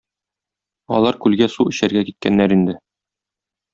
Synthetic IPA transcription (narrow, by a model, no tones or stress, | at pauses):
ɒ̰lˠɑɾkʉlɡæsuɵ̆ɕæɾɡækit̪̚kænːæɾind̪ɘ